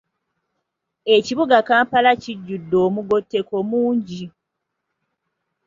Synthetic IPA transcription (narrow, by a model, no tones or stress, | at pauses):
e̞ciβuɡakaːmpalaciɟːudːo̞ːmuɡo̞tːe̞ko̞muːɲɟi